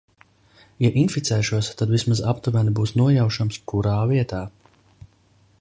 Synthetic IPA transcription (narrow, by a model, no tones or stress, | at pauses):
jaʔinfit̪sɛːʃuɔst̪ad̪vismazapt̪uvænibuːsnuɔjawʃamskuɾaːviɛt̪aː